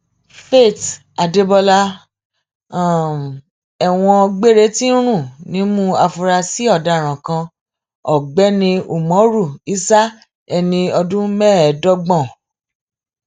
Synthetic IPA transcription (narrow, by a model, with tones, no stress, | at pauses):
fe˦˨t | a˨de˧bɔ˧la˧˨ | ɛ˨w̃ɔ̃˧ɡ͡be˦ɾe˦ti˦ɾ̃ũ˦˨nĩ˨˦mũ˦a˧fu˧ɾa˧si˦ɔ˦˨da˨ɾ̃ã˨kã˧ | ɔ˨ɡ͡bɛ˨˦nĩ˧u˨mɔ̃˨˦ɾu˦˨i˦sa˦ | ɛ˧nĩ˧ɔ˧dũ˦mɛ̃˦ɛ˨˦dɔ˦ɡ͡bɔ̃˦˨